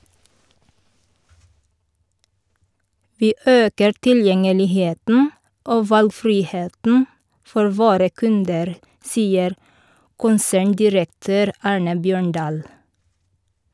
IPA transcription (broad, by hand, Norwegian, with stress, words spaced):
ˈʋiː ˈøːkəɾ tɪlˈjɛŋəlɪˌheːtn̩ ˈoː ˈʋɑlɡˌfɾiːˌheːtn̩ ˈfɔɾ ˈʋoːɾə ˈkʉndəɾ ˈsiːəɾ ˈkʊnsæːɳˌdɪɾəkˌtøːɾ ˈɑːɹnə ˈbjøːɳˌɖɑːl